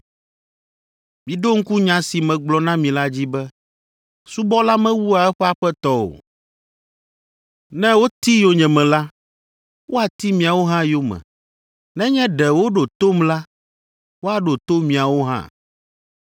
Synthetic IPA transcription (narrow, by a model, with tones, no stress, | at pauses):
mĩ˨ɖo˦ŋ̩˦ku˦ɲã˨si˨mɛ̃˨ɡ͡blɔ˨nã˦mĩ˨la˦d͡ʑi˦bɛ˦ | su˦bɔ˦la˦mɛ̃˦wu˦a˨ɛ˦ɸɛ˦a˨ɸɛ˦t̪ɔ˦o̰˨ | nɛ̃˦wo˦t̪i˦jo˨ɲɛ̃˨mɛ̃˨la˦ | wʔo˦a˨t̪i˦mĩ˨a˨wo˦ɦã˦jo˦mɛ̰̃˨ | nɛ̃˦ɲɛ̃˦ɖɛ˨wo˦ɖo˨t̪o˦mla˦ | wo˦a˨ɖo˨t̪o˦mĩ˨a˨wo˦ɦã̰˦